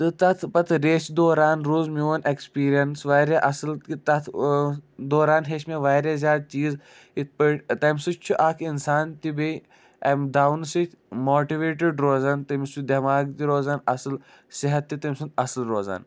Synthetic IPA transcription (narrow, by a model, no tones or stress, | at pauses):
t̪ɨt̪ɐt̪ʰpɐt̪ʰɾeːt͡ʃd̪oːɾaːnɾuːzmʲuːʋɐnekspiːɾijɐnsʋɐːɾaʔɐsɨlit̪ɐt̪ʰ | d̪oːɾaːnɦeːʃmeʋaːɾʲazʲjaːd̪̚t͡ʃiːz | it̪̚ʰpɨʈt̪ɐmsut͡ʃʰuʔaːkʰinsaːnt̪ibej | ɐmd̪aːwnsit̪ʰʲmoːʈiʋeːʈiɖɾoːzaːnt̪ɐmst͡ʃʰud̪ɐmaːɡt̪iɾoːzaːnɐsɨl | siɦɐt̪ːit̪ɐmʲsunt̪ɐslɾoːza̰ːn